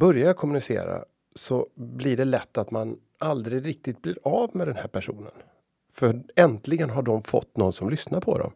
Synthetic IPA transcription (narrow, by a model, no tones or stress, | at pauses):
bœɾjakʰɔmːɵnɪsḛːɾa̰ | sɔblɪɖɛlɛt̪ːat̪man | ald̪ɾɪɡɾɪk̚t̪ɪt̪̚blɪɾaːvmɛd̪ɛnhæːɾpʰæʂuːnə̰n | fœɛnt̪lɪɡənɦaɖɔmfɔ̰t̪ːnɔnsɔmlʏsnaɾpʰɔ̰d̪ɔ̰m